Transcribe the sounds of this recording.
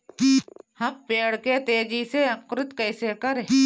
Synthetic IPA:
hɐmpeːɽket̪eːd͡ʒiːseɐkɾɪt̪kɐɪsekɐɾ

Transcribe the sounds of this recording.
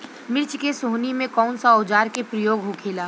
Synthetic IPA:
mɪɾt͡ʃkesoːnimẽkɔːnsaod͡ʒaːɾkepɾəjoːɡɦʊkʰeːlaː

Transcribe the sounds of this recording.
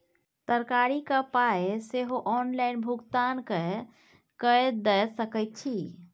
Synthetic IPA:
t̪əɾkaɾikapaeseɦoʔɔnlaɪnbʱuɡt̪anke | kəd̪əsəkət̪̚t͡ʃʰi

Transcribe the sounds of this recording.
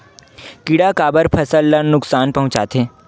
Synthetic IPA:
kɪɽakaːbəɾpʰɐsəlːɐnʊksaːnpɐɦʊ̃t͡ʃa̰ːt̪ʰẽː

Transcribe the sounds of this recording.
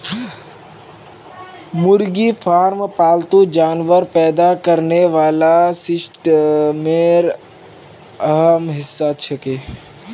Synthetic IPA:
mʊɾɡifʰaːɾmpaːlt̪ud͡ʒaːnʋəɾpɛːd̪akɐɾneʋaːlasɪsʈmeːɾ | əɦəmɦɪsːat͡ʃʰɐkeː

